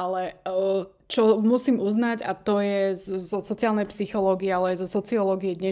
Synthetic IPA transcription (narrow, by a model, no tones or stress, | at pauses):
alɛ | t͡ʃɔmusiːmuznaɟa̰t̪ɔjɛzɔsɔt͡siaːlnɛjpsixɔlɔːɡiɛalɛjzɔsɔt͡siɔlɔːɡiɛd̪ɲɛ